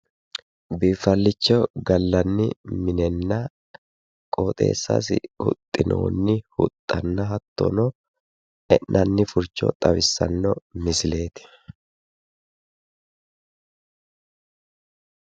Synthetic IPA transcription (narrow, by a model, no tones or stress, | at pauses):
biːfɐlːɪt͡ʃːɔɡɐlːɐnːɪmɪnɛnːɐ | kʼoːt̪ʼe̞̰ːsːɐ̰s̬ɪ̰hʊ̰t̪ʼːɪno̰ːnːɪhʊt̪ʼːɐnːɐɦɐt̪ːo̰nɔ | ɛʔnʔɐnːɪfʊɾt͡ʃːɔ̰t̪ʼɐwɪsːɐ̰nːɔmɪsɪle̞ːt̪ɪ̥